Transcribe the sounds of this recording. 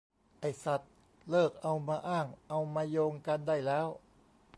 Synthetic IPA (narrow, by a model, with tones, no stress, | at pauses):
ʔa˧˩jsa˨˩t̪̚ | lɤː˥˩k̚ʔa˧wmaː˧ʔaː˥˩ŋʔa˧wmaː˧joː˧ŋka˧nda˥˩jlɛː˦˥w